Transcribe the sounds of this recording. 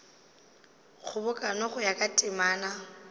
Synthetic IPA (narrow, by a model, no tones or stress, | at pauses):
ɣʊbʊkʼanɔχʊjakʼatʼɪmaːna